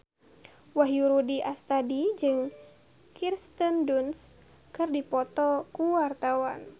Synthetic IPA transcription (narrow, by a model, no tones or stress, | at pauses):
waɦjuɾudiʔast̪adid͡ʒɨŋ | kirst̪ənduns | kɨrdipɔt̪ɔkuwart̪awan